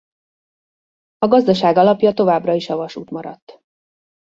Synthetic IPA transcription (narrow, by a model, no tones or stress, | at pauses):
ɒɡɒzd̪ɒʃaːɡɒlɒpjɒt̪o̞vaːbrɒiʃɒvɒʃuːt̪mɒɾɒ̰t̪ː